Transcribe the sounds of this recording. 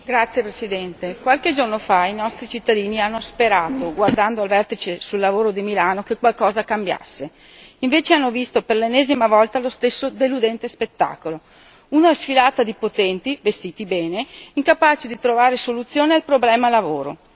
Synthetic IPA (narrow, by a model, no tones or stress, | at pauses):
ɡɾat̪sːjepɾesid̪ɛnt̪ekwalked͡ʒornofainɔst̪ɾit͡ʃit̪ːad̪iːnianːospeɾaːt̪oɡward̪and̪oalvɛrt̪it͡ʃesulːavoːɾod̪imilaːnokekwalkɔːzakambja̰sːe | iɱveːt͡ʃeanːovist̪operlenːɛːzimavɔlt̪alost̪esːod̪elud̪ɛnt̪espet̪ːa̰ːkolo | uːnoɛsfilaːt̪ad̪ipot̪ɛnt̪ivest̪iːt̪ibɛːneiŋkapaːt͡ʃed̪it̪ɾovaːɾesolut̪sːjoːnealpɾoblɛːmalavoːɾo